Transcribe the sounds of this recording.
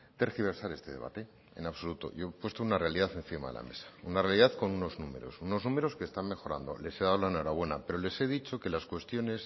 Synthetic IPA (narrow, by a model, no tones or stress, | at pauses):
t̪eɾxiβ̞e̞ɾsaɾe̞st̪e̞ðe̞βa̰t̪e̞ | e̞̰naβso̞lut̪o̞̰ʝo̞pwe̞st̪ounarealiðaθe̞nθima̰ðela̰me̞̰sḁunarealiðaθko̞nuno̞znume̞ɾo̞̰suno̞znũme̞ɾo̞skeːst̪anme̞xo̞ɾa̰nd̪o̞̰le̞se̞ðalanoɾaβwe̞na̰pe̞ɾo̞le̞se̞ðit͡ʃo̞ke̞laskwe̞st̪jo̞ne̞s